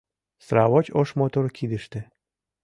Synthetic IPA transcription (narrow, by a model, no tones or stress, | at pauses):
sɾɑβot͡ɕoʃmot̪oɾkid̪ə̆ʃt̪ĕ